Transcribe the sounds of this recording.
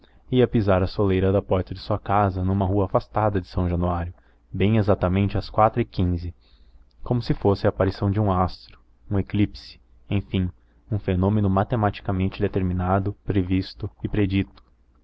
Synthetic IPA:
iɐpizaɾɐsolejɾɐd̪ɐpɔɾt̪ɐd͡ʒɪsuɐkazɐnũmɐɦuɐːfast̪ad̪ɐd͡ʒɪsɐ̃w̃ʒɐ̃nuaɾjʊ | bẽj̃ezat̪ɐmẽnt͡ʃɪɐskwat̪ɾʊɪkĩzɪ | kõmʊsɪfosɪɐːpaɾisɐ̃w̃d͡ʒɪũast̪ɾʊ̥ | ũeklipsɪ̥ | ẽfĩ | ũfenõmenʊmat̪emat͡ʃi̥kɐmẽnt͡ʃɪd̪et̪eɾminad̪ʊpɾevist̪ʊɪpɾed͡ʒit̪ʊ̥

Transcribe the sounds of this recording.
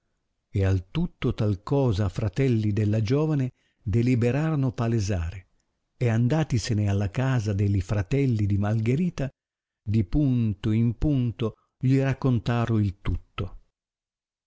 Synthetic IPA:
ealt̪ut̪ːot̪alkɔːzafɾat̪ɛlːid̪elːad͡ʒɔːvane | d̪elibeɾaːɾonʊpaleza̰ːɾe | eand̪aːt̪isenealːakaːzad̪eʎifɾat̪ɛlːid̪imalɡeɾiːt̪a | d̪ipunt̪oimpunt̪o | ʎirakːont̪aːɾʊilt̪ut̪ːo

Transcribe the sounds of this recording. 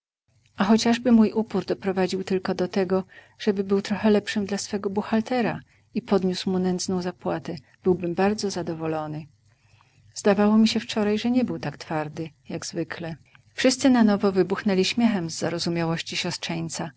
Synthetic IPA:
axɔt͡ɕaʐbɘmujʔupuɾd̪ɔpɾɔvad͡ʑiwt̪ɘlkɔd̪ɔt̪ɛɡɔ | ʐ̥ɛbɘbɘwt̪ɾɔxɛlɛpʂɘmd̪lasfɛɡɔbuxalt̪ɛɾa̰ | ipɔd̪ɲuswmunɛnd̪znɔ̃w̃zapwat̪ɛ | b̥ɘwbɘmbaɾd̪zɔzad̪ɔvɔlɔnɘ | zd̪avawɔmʲiɕɛft͡ʂɔɾajʐɛɲɛbɘwt̪akt̪faɾd̪ɘ | jaɡzvɘklɛ | fʂɘst̪sɘnanɔvɔvɘbuxnɛlʲiɕmʲjɛxɛmzːaɾɔzumʲjawɔɕt͡ɕiɕɔstʂɛɲt̪sa

